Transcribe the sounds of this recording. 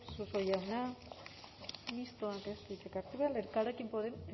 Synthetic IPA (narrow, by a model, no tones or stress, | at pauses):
susojawna | mist̪oakest̪itekaɾt̪eβealeɾkalekimpoðem